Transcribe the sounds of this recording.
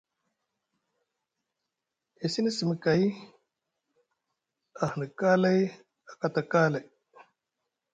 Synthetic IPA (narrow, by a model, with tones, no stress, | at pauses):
e˨si˦nə˦si˨mə˨ka˨j | a˨hnə˨kaː˦la˦j | a˨ka˨t̪a˨kaː˦la˨